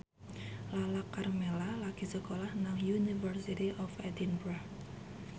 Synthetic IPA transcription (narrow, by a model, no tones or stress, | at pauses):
lalakːarmelalakisəkolahnaŋjunifərsit̪iʔɔfɛd̪inbɾa